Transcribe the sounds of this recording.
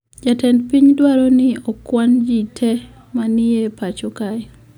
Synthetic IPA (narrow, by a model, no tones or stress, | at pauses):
d͡ʒatɛndpiɲdwaɾɔnɪɔkwand͡ʒitʰɛ | manɪepat͡ʃɔka